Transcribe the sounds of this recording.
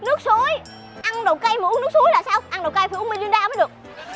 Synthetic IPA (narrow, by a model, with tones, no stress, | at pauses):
nɨ˦˥ək̚so˧˦j | ʔa˧ŋɗo˨˩wka˧jmə˨ʔnɨ˦˥k̚su˨˦jlaː˨˩saː˧wʔa˧ŋɗo˨˩wka˧jfʔmi˧ŋt͡ɕwi˧ɗaː˧maː˨˦jɗɨ˨˩ək̚